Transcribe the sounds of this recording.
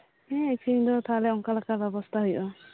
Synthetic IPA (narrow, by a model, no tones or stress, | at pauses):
eeksʰid̪ɔt̪ʰalɛɔŋkalakabjɔbɔst̪ʰaɦujʔɔ